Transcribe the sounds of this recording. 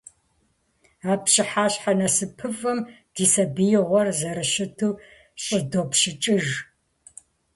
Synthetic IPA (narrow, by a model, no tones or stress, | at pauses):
aːpɕɪħaːɕħanɐsɨpʰɨfɐm | d̥iːsɐbijʁʷɔrzɐɾɨʃɪtʰuː | ɕʼɪdopɕɪt͡ʃʼɨʒ